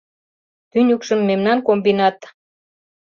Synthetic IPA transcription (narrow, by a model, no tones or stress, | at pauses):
t̪ynʲukʃəmːemnɑnkombinɑt̪